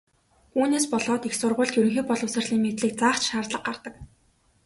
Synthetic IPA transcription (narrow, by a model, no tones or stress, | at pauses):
uːneːspɔɮɔːt̪ixsʊrʁʊːɮt̪jɵɾɵ̆ŋxiːk̚pɔɮə̆wsə̆rɮiːŋmet̪ɮiːk̚t͡saːχt͡ɕʃaːrt̪ɮə̆q̚ɢart̪ə̆k̚